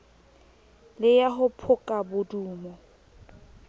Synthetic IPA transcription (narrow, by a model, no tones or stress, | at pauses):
lɪjaɦʊpʰʊkʼabʊduːmɔ